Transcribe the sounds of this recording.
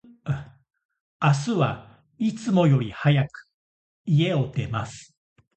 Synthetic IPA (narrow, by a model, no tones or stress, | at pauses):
as̬ɨβa | it͡sɨmo̞jo̞ɾʲihajakɯ̥ | ie̞ot̪e̞masɨ̥